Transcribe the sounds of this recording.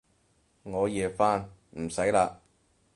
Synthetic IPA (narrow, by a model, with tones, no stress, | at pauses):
ŋɔː˨˧jiː˨faː˥nm̩˨˩sɐ˨˥jlaː˧k̚